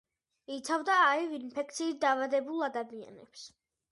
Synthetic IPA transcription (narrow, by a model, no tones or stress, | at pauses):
it̪sʰavd̪aːivinpʰɛk̚t̪sʰiːt̪̚d̪aːvad̪ɛbulˠad̪amia̰nɛ̰ps